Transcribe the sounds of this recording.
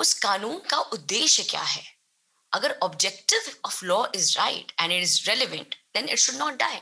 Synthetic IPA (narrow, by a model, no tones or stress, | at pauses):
ʊskaːnũːnkaʔʊd̪ːeːʃjəkja̰ːɦɛ | ɐɡəɾɔbd͡ʒɛk̚ʈɪʋɔːʋlɔːʔɪzɾa̰ɪʈɛ̃ɳɪʈɪzɾɛlɪʋə̃ɳʈd̪̥ɛ̃nɪ̰ʈʃʊɖnɔːʈ̚ɖaːɪ